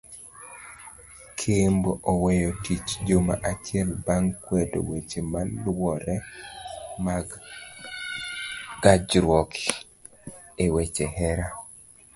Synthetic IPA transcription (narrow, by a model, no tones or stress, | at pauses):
kʰemboʔowejotit͡ʃd͡ʒoma̰ʔat͡ʃɪɛlbaŋkwɛdo̰wet͡ʃemalwɔɾɛ | ma | ɡad͡ʒɾwɔk | ewet͡ʃehɛɾa